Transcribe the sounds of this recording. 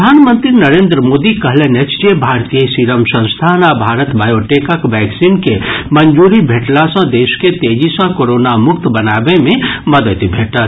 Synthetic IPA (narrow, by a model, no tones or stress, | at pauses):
əd̪ʱaːnmənt̪ɾinəɾẽːnd̪ɾəmoːd̪ikəɦlenet͡ʃd͡ʒebʱaːɾt̪ijəsiɾəmsə̃nst̪ʰanabʱaːɾət̪baːjoʈekəkʋɛːksinkemənd͡ʒuɾibʱeʈlasə̃d̪eːsket̪eːd͡ʒisə̃koɾonamʊkt̪bənabemẽməd̪ət̪bʱeːʈət̪